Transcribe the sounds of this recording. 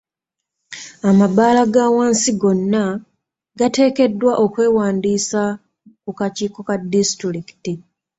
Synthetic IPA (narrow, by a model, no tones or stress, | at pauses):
amabaːlaɡaːwaːnsiɡo̞nːa | ɡate̞ːke̞dːwaʔo̞kwe̞ːwaːndiːsa | kukaciːko̞kadistiɾiki̥ti